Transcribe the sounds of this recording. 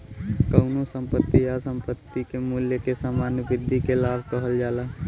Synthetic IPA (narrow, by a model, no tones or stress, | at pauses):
kəʊnõsə̃mpət̪ːijasə̃mpət̪ːikemuːljəkesaːmaːnjəbɪd̪ʱːikelaːbʱkəɦəld͡ʒaːlaː